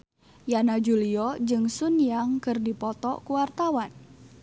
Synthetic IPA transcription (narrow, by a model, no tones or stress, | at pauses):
janad͡ʒuliɔd͡ʒɨŋsunjaŋkɨrdipɔt̪ɔkuwart̪awan